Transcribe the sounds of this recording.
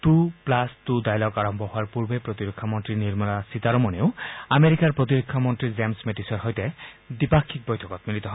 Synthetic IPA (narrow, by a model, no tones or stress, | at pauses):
t̪uplastud̪ajlɔkaɹɔmbʱɔɦʊaɹpuɹbepɹɔt̪iɾɔkʰːamɔntɹiniɹmɔnasit̪aɾɔmɔneʊameɾikaɹpɹɔt̪̬iɾɔkʰːamɔntɹizemsmeʈisɔɹɦɔjt̪ɛ | d̪ipakʰːik̚bɔjtʰɔkɔt̪̚milit̪ɔɦɔ